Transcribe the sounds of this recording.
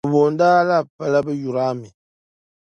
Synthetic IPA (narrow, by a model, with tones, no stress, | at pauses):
βo˨ndaː˦la˦˨pə˦la˦bə˦ju˨ɾa˦mi˨